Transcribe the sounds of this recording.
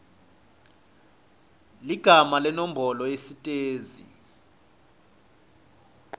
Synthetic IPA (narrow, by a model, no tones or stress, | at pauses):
liɡ̥ʱamalɛnom̩bʱɔlɔesitʼeːzḭ